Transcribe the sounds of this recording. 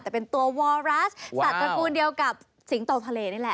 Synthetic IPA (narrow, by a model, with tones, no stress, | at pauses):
t̪ɛː˨˩pe˧nt̪u˧ɐwɔː˧ɾaː˦˥ssa˨˩pɾa˧kuː˧ndi˧əwka˨˩p̚ | si˨˩˦ŋt̪o˨˩t̪ʰa˧leː˧na˥˩lɛ˨˩ʔ